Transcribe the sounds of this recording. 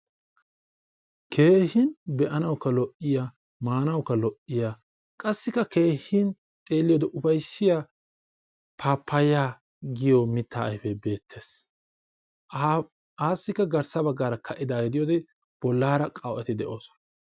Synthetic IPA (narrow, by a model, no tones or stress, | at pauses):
kʰe̞ːhɪnbɛʔɐnɐwkːɐlɔʔɪjaː | maːnɐwkːɐlɔʔːɪjaː | kʼɐsːɪkːɐkeːhin | t̪ʼe̞ːlːɪjɔːd̪ɛʔʊfɐjsːɪjaː | pʰaːpːɐjaː | ɡɪjɔmɪt̪ːa̰ːʔɐjfɛbe̞ːt̪ʰːe̞ːs | aːsːɪkːɐɡɐɾsɐbɐɡːaːɾɐkʰɐʔɪd̪aːɡɛd̪ɪjɔːd̪ɛ | b̥ɔlːaːɾɐkʼɐwʔɛt̪ɪd̪ɛʔo̞ːsɔ̥nɐ